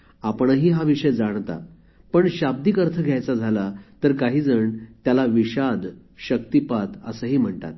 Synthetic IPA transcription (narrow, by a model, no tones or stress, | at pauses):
apəɳəɦiːɦaʋiʂəjd͡zaɽ̃t̪a̰ | pəɳɕab̚d̪iːkəɾt̪ʰəɡʱjajt͡sad͡zʱalat̪əɾkaɦiːd͡zəɳt̪jalaʋiɕad̪ | ɕək̚t̪ipat̪ə̰səːɦiːm̤əɳt̪a̰t̪